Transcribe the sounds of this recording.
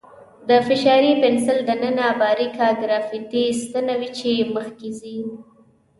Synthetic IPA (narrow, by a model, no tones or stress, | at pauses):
d̪əfɪʃɑɾipɪnsɪld̪ənənabɑɾikaɡɾɑfit̪ist̪ənawit͡ʃeməxkezi